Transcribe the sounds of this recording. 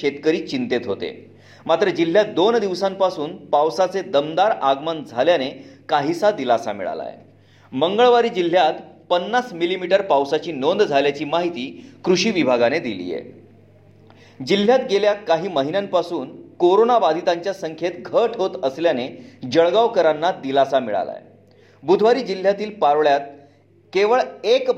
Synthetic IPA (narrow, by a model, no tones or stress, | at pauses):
et̪kəɾiːt͡ɕint̪et̪ɦot̪ḛ | mat̪ɾəd͡ʑil̤ːjad̪ond̪iʋsãmpasuːnpawsat͡sed̪əmd̪aɾaɡmənd͡zʱaljanekaɦisad̪ilasa̰mḭɭa̰la̰je | məŋɡəɭʋaɾiːd͡ʑil̤ːjat̪pənːasmilimiʈəɾpawsat͡ɕiːnond̪d͡zʱaljat͡ɕiːmaɦit̪iːkɾuɕiːʋibʱaɡaned̪ilḭːjḛ | d͡ʑil̤ːjat̪ɡeljat̪kaɦiːməɦinjampasuːnkoɾonaʋad̪ʱit̪aɲt͡ɕjasəŋkʰet̪ɡʱəʈʰɦot̪əsljaned͡ʑəɭɡaʋkəɾanːad̪ilasamiɭa̰la̰j | bud̪ʱʋaɾiːd͡ʑil̤jat̪iːlpaɾʋɭjat̪̚ | keʋəɭek